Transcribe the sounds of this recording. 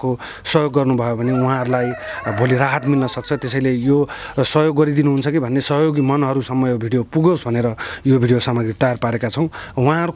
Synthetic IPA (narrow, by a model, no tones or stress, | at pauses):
ko | sʌɦjoɡːʌrnubʱʌjobʱʌneuɦãɦʌɾulajbʱoliɾaɦʌt̪milnʌsʌk̚t͡sʰʌt̪esʌjlejo | sʌɦjoɡːʌɾid̪inuɦunt͡sʰʌkibʱʌnːesʌɦjoɡimʌnɦʌɾusʌmːʌjobʱiɽijopuɡosbʱʌneɾʌjobʱiɽijosamaɡrit̪ʌjarpaɾekat͡sʰʌw̃wɦãɦʌɾu